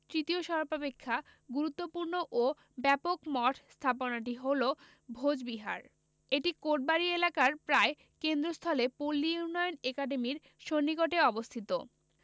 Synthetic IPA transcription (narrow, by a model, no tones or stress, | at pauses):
t̪ɾit̪ioʃɔɾbapekʰːaɡuɾut̪ːopuɾnoʔo | bɛpokmɔʈʰst̪ʰaponaʈiɦolo | bʱod͡ʑbiɦa̰ɾ | eʈikoʈ̚baɾielakaɾpɾae | kend̪ɾost̪ʰɔlepolːiunːɔjonekaɖemiɾ | ʃonːikoʈeɔbost̪ʰit̪o̰